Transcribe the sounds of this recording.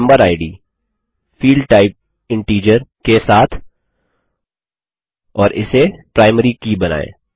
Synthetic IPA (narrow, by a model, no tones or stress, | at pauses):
mbəɾaːɪɖiː | fiːlɖʈaːɪp̚ | ɪ̃ɳʈiːd͡ʒəɾkesaːt̪ʰ | ɔːɾɪ̰sepɾaːɪməɾikibɐna̰ːḛ̃ː